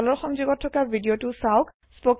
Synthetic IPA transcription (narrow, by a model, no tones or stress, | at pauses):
lɔɹxɔŋzuɡɔtʰːɔkabʱidijotʊsaʊk | spɔk